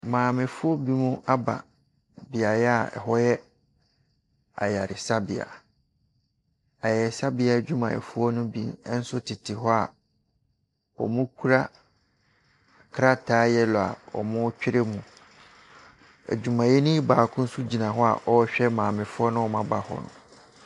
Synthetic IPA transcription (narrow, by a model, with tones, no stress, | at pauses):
mãː˨mɪ̃˨fʊ˦ɔ˦bi˦mũ˦a˦ba̰˨ | bɪ˨a˨jɛ˦a˨ɛ̰˨ɦɔ˦jɛ˦ | a̰˨ja˨ɾɪ˨sa˦bɪ˨a̰˨ | a˨jɛ˨sa˦bɪ˨˦a˨d͡ʑᶣu˦mã̰˨ɛ̰˨fʊ˦ɔ˦nʊ̃˦bḭ˦n˦n̩˦sʊ˦tʰɪ˨tʰɪ˨ɦɔ˦a˨ | ɔ̰˨mʊ̃˦kʰu˦ɾa˦ | kʰɾa˦tʰaː˦jɛ˦lɔ˨a̰˨ɔ̰˨mʊ̃˦t͡ɕᶣɪ˦ɾe˦mũ˨ | æ̰˨d͡ʑᶣu˨mã˨jɛ˦nʊ̃˦i˦baː˨kʰʊ̃˦n̩˦su˦d͡ʑi˨nã˨ɦɔ˦a̰˨ʔɔ˦ɕᶣɛ˦mãː˨mɪ̃˨fʊ˦ɔ˦nʊ̃˦ɔ˨mã˦ba˨hɔ̰˨nʊ̰̃˨